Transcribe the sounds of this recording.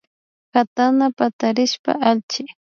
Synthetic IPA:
kat̪anapat̪aɾɪʃpa̰ʔalt͡ʃɪ

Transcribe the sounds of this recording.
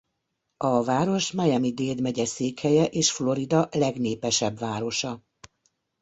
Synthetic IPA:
ɒvaːɾo̞ʃmɛjɛmid̪eːd̪mɛɟɛseːkhɛjɛʔeːʃflo̞ɾid̪ɒlɛɡneːpɛʃɛbvaːɾo̞ʃɒ

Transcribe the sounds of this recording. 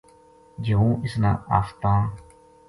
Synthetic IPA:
d͡ʒəũːɪsnã̰ːaːft̪ãː

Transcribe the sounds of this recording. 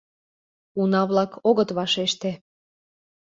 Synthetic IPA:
unɑβlɑkʰoɣət̪βɑʃeʃt̪e

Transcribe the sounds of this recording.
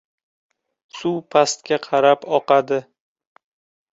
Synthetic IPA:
supʰast̪kʲaqʰɑɾapɒqad̪ɪ

